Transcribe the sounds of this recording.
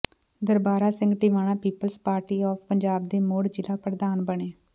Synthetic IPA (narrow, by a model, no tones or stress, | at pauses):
d̪əɾbaːɾaːsɪ̃ŋɡʈiːʋaːɽ̃ãːpiːpəlspaːɾʈiːɔːpʰpəɲd͡ʒaːb̚d̪eːmoːɽd͡ʒɪlaːpəɾd̪aːnbəɳeː